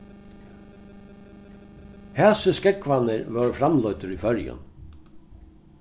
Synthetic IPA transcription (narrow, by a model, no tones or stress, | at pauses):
hɛːsəskɛkʋanɪɾʋœɹfɾamlɔʏt̪əɾifœɹjʊ̰n